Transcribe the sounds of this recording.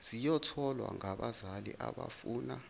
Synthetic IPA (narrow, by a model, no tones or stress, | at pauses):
z̥ijɔtʰɔlwaŋaɓazalḭʔaɓafuːna